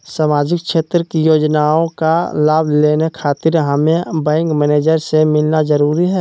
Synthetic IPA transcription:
saːmaːd͡ʒɪk̚ʃeːt̪ɾəkijoːd͡ʒnaõkalaːbʱleːnekʰaːt̪ɪɾɦəmẽbɛ̃ːŋkmɛːneːd͡ʒəɾsemɪlnazəɾuːɾiɦɛː

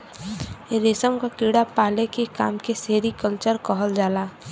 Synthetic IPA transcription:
ɾeːsəmkakiːɽapaːlekeka̰ːmkeseːɾikəlt͡ʃəɾkɔɦəld͡ʒaːlaː

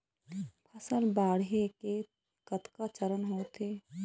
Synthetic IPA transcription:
pʰɐsəlbaːɽɦeke | kət̪kat͡ʃəɾənɦoːt̪ʰeː

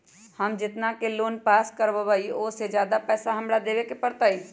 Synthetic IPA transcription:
hɐmd͡ʒɪt̪nakeloːnpaːskəɾʋaʋəiosed͡ʒjaːd̪apɛːsaɦɐmɽad̪eːʋekepɐɽt̪ai

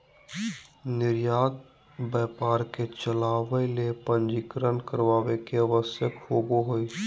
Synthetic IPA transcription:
nɪɾjaːt̪̚ | bɛːpaːɾket͡ʃəlaːʋeilepə̃nd͡ʒikɾənkəɾʋaːʋekeəʋəsjəkfoːboɦoi

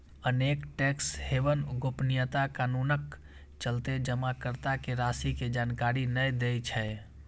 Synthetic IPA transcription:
ənekʈekshebənɡopnijət̪akanunək | t͡ʃəlt̪ed͡ʒəmakəɾt̪akeɾasiked͡ʒankaɾinəjd̪ejt͡ʃʰɛ

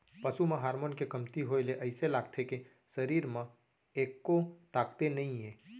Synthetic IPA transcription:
pəsumãɦaːɾmoːnkekəmt̪iɦoeleʔəɪselaːɡ̚t̪ʰeke | səɾiːɾmã | eːkːot̪aːkt̪enəĩɦẽː

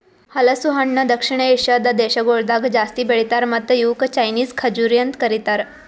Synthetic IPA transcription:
hələsuɦaɳɳəd̪əkʂiɳ̃əeɕəd̪ad̪eɕəɡoɽd̪aɡd͡zast̪iːbeɭit̪aɾmat̪əjukt͡ɕajniːzkʰəd͡ʑuɾjənt̪kəɾit̪aɾ

